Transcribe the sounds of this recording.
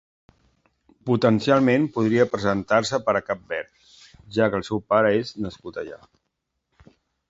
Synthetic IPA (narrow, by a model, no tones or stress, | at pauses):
put̪ənsialˠmempuð̞ɾiəpɾəzənt̪ars̬əpəɾəkap̚bɛɾ | ʒakəːlˠsɛwpaɾəeznəskut̪əʎa̰